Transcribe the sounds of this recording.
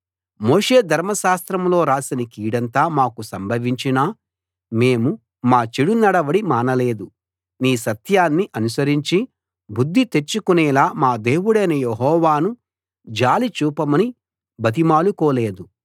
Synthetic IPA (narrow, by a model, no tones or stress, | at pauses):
mo̞ːʂe̞ːd̪ʱɐɾmɐʃaːst̪ɾɐmlo̞ːɾaːsinɐkiːɽɐnt̪aːmaːkusɐmbʱɐʋiɲt͡ʃinaː | me̞ːmu | maːt͡ʃeɽunɐɽɐʋɐɽimaːnɐle̞ːd̪u | niːsɐt̪jaːnːiʔɐnusɐɾiɲt͡ʃi | bud̪ʱːit̪e̞t͡ʃːukunɛːlaːmaːd̪eːwuɽɐjnɐjeɦɔːʋaːnu | d͡ʒaːlit͡ʃuːpɐmɐni | bʱɐt̪̬imaːlukoːle̞ːd̪u